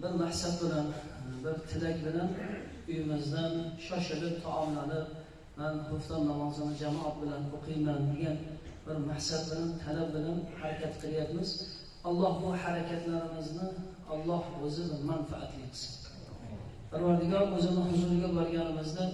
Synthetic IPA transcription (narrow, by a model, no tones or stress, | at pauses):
bɪɾmahsat̪̚bɪlanbɪɾt̪ʰɪlakʲbɪlan | ʊjɪmɪzd̪anʃɒʃɪlɪp̚t̪ʰɒʔɒmlalɪ | manhʊft̪ɒmnamɒzɨnɪd͡ʒamɒʔat̪̚bɪlanoqʰɨjmand̪eɡʲanbɪɾmahsat̪̚bɪlant̪ʰalab̚bɪlanhaɾakʲat̪qʰɨlˠɪjapmɪz | ɒlˠːɒhbʊhaɾakʲʰat̪laɾɪmɪznɪ | ɒlˠːɒhɵzɪnmanfa̰ʔa̰t̪ʰlɪjt̪ʰɪ̥sɪ̥ | b̥ʰaɾvaɾd̪ɪɡʲɒɾɵzɪnɪhʊzʊɾɡʲabɒɾɡʲanɪmɪzd̪a